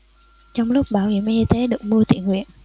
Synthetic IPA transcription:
t͡ɕɔ˧wŋ͡mlʊ˦˥k͡p̚ɓaː˧˩whḭ˧˩˨əmʔi˧t̪e˨˦ɗɨ˨˩ək̚mɨ˧ət̪ḭ˧˨ənŋwḭ˧˨ən

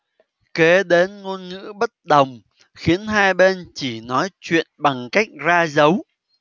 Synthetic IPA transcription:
ke˨˦ɗe˨˦nŋu˧ənŋɨ̰˧˥ɓə˦˥t̚ɗə˨˩wŋ͡m | xi˨˦ənɦaː˧jɓe˧nt͡ɕi˧˩nɔ˨˦jt͡ɕwḭ˧˨ənɓa˨˩ŋka˦˥jk̚zaː˧zə˨˦w

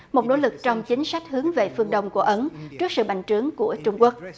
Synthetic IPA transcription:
mo˨˩t̚no̰˧˨˦lɨ˨˩k̚t͡ɕɔ˧wŋ͡mt͡ɕï˨˦ŋ̟sa˦˥jk̟̚hɨ˨˦əŋve˨˩fɨ˧əŋɗə˧wŋ͡mku˧˩əʔə˨˦nt͡ɕɨ˦˥ək̚sɨ̰˧˨ɓa̰˧˨jŋ̟t͡ɕɨ˨˦əŋku˧˩ət͡ɕʊ˧ŋ͡mku˦˥ək̚

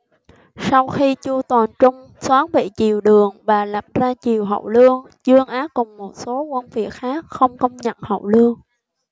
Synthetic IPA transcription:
sa˧wxi˧t͡ɕu˧t̪waː˨˩nt͡ɕʊ˧ŋ͡m | swaː˨˦ŋɓḭ˧˨t͡ɕi˨˩əwɗɨ˨˩əŋvaː˨˩laː˨˩p̚zaː˧t͡ɕi˨˩əwɦə̰˧˨wlɨ˧əŋ | t͡ɕɨ˧əŋʔaː˨˦kʊ˨˩ŋ͡mːo˨˩t̚so˨˦kwə˧nvi˨˩ət̚xaː˦˥k̚xə˧wŋ͡mkə˧wŋ͡mɲə̰˧˨nhə̰˧˨wlɨ˧əŋ

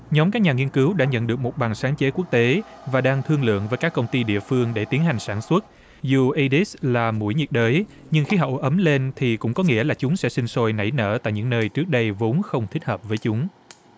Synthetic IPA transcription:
ɲɔ˨˦mkaː˦˥k̚ɲaː˨˩ŋi˧ənkɨ˨˦wɗa̰ː˧˥ɲə̰˧˨nɗɨ˨˩k̚mo˨˩t̚ɓaː˨˩ŋsaː˨˦ŋt͡ɕe˨˦ku˦˥ək̚t̪e˨˦vaː˨˩ɗaː˧ŋt̪ʰɨ˧əŋlɨ̰˧˨əŋvəː˨˦jkaː˦˥kːə˧wŋ͡mt̪i˧ɗḭ˧˨əfɨ˧əŋɗe˧˩t̪i˨˦ənɦa˨˩jŋ̟saː˧˩nswə˦˥t̚ | zu˨˩ʔi˧ɗi˦˥slaː˨˩mṵ˧˩jɲi˨˩t̚ɗəː˨˦j | ɲɨ˧ŋxi˧ɦɔ̰˧˨ʔə˨˦mle˧nt̪ʰi˨˩kʊ̰˧˥ŋ͡mkɔ˨˦ŋḭ˧˥əlaː˨˩t͡ɕʊ˨˦ŋ͡msɛ̰˧˥sï˧ŋ̟so˧jna̰˧˩jnə̰ː˧˩t̪a̰ː˧˨jɲɨ̰˧˥ŋnəː˧jt͡ɕɨ˦˥k̚ɗə˧jvo˨˦nxə˧wŋ͡mt̪ʰi˦˥k̚həː˨˩p̚vəː˨˦jt͡ɕʊ˨˦ŋ͡m

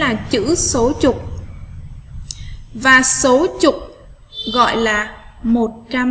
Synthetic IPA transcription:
aː˨˩t͡ɕɨ̰˧˥so˨˦t͡ɕʊ˨˩k͡p̚ | vaː˨˩so˨˦t͡ɕʊ˨˩k͡p̚ | ɣɔ̰˧˨jlaː˨˩mo˨˩t̚t͡ɕa˧m

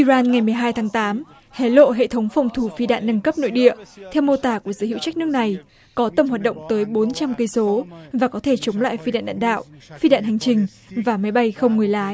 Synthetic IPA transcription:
ʔi˧zaː˧nŋa˨˩jmɨ˨˩əjɦaː˧jt̪ʰaː˨˦ŋt̪aː˨˦m | he˨˦lo̰˧˨ɦḛ˧˨t̪ʰə˨˦wŋ͡mfwŋ͡mt̪ʰu˧˩fi˧ɗa̰ː˧˨nːə˧nkə˦˥p̚no̰˧˨jɗḭ˧˨ət̪ʰɛ˧wmo˧t̪aː˨˩ku˧˩əzəː˨˦hḭ˧˨wt͡ɕa˦˥k̟̚nɨ˦˥ək̚na˨˩j | kɔ˨˦t̪ə˧˩mhwaː˨˩t̚ɗə̰˧˨wŋ͡mt̪əː˨˦jɓo˨˦nt͡ɕa˧mkə˧so˨˦vaː˨˩kɔ˨˦t̪ʰe˧˩t͡ɕə˨˦wŋ͡mla̰ː˧˨jfi˧ɗa̰ː˧˨nɗa̰ː˧˨ɗa̰ː˧˨wfi˧ɗa̰ː˧˨nɦa˨˩jŋ̟t͡ɕï˨˩ŋ̟ | vaː˨˩ma˨˦jɓa˧jxə˧wŋ͡mŋɨ˨˩əjlaː˨˦j

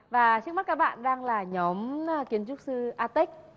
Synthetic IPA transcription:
vaː˨˩t͡ɕɨ˦˥k̚m˦˥t̚kaː˦˥k̚ɓa̰ː˧˨nɗaː˧ŋlaː˨˩ɲɔ˨˦m˧ki˨˦ənt͡ɕʊ˦˥t̚sɨ˧ʔaː˧t̪i˦˥k̚

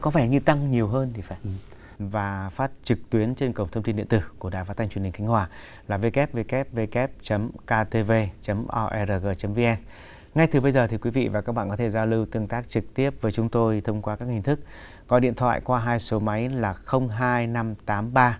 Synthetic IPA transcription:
kɔ˨˦fɛ˧˩ɲɨ˧t̪a˧ŋɲi˨˩əwɦəː˧nt̪ʰi˨˩faː˧˩ | vaː˨˩faː˦˥t̚t͡ɕɨ˨˩k̚t̪wi˨˦ənt͡ɕe˧nkə˨˧˩wŋ͡mt̪ʰwt̪i˧nɗḭ˧˨ənt̪ɨ̰˧˩ku˧˩əɗaː˨˩jfa˨˦t̪ʰjt͡ɕwï˨˩ŋ̟xa˨˦ŋ̟hwaː˨˩ | laː˨˩ve˧kɛ˦˥p̚ve˧kɛ˦˥p̚ve˧kɛ˦˥p̚t͡ɕə˨˦mkaː˧t̪e˧ve˧t͡ɕə˨˦mʔɔ˧ʔɛ˧zəː˨˩ɣəː˨˩t͡ɕə˨˦mve˧ʔɛ˧n | ŋa˧jt̪ɨ˨˩ɓə˧jzəː˨˩t̪ʰi˨˩kwi˨˦vḭ˧˨vaː˨˩kaː˦˥k̚ɓ̰aː˧˨kɔ˨˦t̪ʰe˧˩zaː˧wlɨ˧wt̪ɨ˧əŋt̪aː˦˥k̚t͡ɕɨ˨˩k̚t̪i˦˥əp̚vəː˨˦jt͡ɕʊ˨˦ŋ͡mt̪o˧jt̪ʰə˧wŋ͡mkwaː˧kaː˦˥khï˧ŋ̟t̪ʰɨ˦˥k̚ | kɔ˨˦ɗḭ˧˨ənt̪ʰwa̰ː˧˨jkwaː˧ɦaː˧jso˨˦ma˨˦jlaː˨˩xə˧wŋ͡mɦaː˧jna˧mt̪aː˨˦mɓaː˧

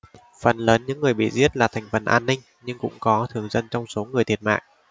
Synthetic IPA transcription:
fə˨˩nləː˨˦nɲɨ̰˧˥ŋːɨ˨˩əjɓḭ˧˨zi˦˥ət̚laː˨˩t̪ʰɛ˨˩jŋ̟fə˨˩nʔaː˧nːï˧ŋ̟ | ɲɨ˧ŋkʊ̰˧˥ŋ͡mkɔ˨˦t̪ʰɨ˨˩əŋzə˧nt͡ɕɔ˧wŋ͡mso˨˦ŋɨ˨˩əjt̪ʰət̚ma̰ː˧˨ŋʔ

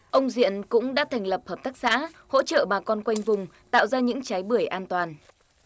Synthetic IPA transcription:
ʔə˧wŋ͡mzḭ˧˨ənkʊ̰˧˥ŋ͡mɗa̰ː˧˥t̪ʰa˨˩jŋ̟lə˨˩p̚həː˨˩p̚t̪ʰa˦˥k̚sa̰ː˧˥ | ho̰˧˥t͡ɕə̰ː˧˨ɓaː˨˩kɔ˧nkwa˧jŋ̟vʊ˨˩ŋ͡mt̪a̰ː˧˨wzaː˧ɲɨ̰˧˥ŋt͡ɕa˨˦jɓɨ˧˩əjʔaː˧nt̪waː˨˩n

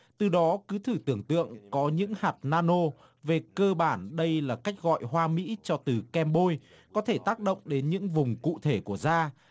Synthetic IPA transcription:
t̪ɨ˨˩ɗɔ˨˦kɨ˨˦t̪ʰɨ˧˩t̪ɨ˧˩əŋt̪ɨ̰˧˨əŋkɔ˨˦ɲɨ̰˧˥ŋhaː˨˩t̚naː˧no˧ | ve˨˩kəː˧ɓaː˧˩nɗə˧jlaː˨˩ka˦˥jk̟̚ɣɔ̰˧˨jhwaː˧mḭ˧˥t͡ɕɔ˧t̪ɨ˨˩kɛ˧mɓo˧j | kɔ˨˦t̪ʰe˧˩t̪aː˦˥k̚ɗə̰˧˨wŋ͡mɗe˨˦nɲɨ̰˧˥ŋvʊ˨˩ŋ͡mkṵ˧˨t̪ʰe˧˩ku˧˩əzaː˧

